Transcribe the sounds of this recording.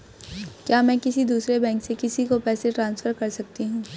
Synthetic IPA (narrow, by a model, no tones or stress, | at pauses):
kjaːmɛ̃ːkɪsid̪uːsɾebɛ̃ːŋksekɪsikopɛːseʈɾãːnsfəɾkɐɾsɐk̚t̪iɦũː